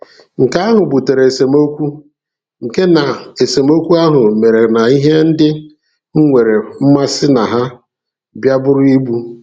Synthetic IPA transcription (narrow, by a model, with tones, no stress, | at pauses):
ŋ̩˨ka˦a˦ɦʊ˨bu˨te˨ɾe˨se˨mo˦kʷu˦ | ŋ̩˨ke˦na˨e˨se˨mo˦kʷu˦a˦ɦʊ˨me˨ɾe˨na˨i˦ɦe˦n̩˦dɪ˦ | ŋ̩˦ŋʷe˨ɾe˨m̩˦ma˦sɪ˦na˨ɦa˦ | bja˦bʊ˦ɾʊ˦i˦bu˦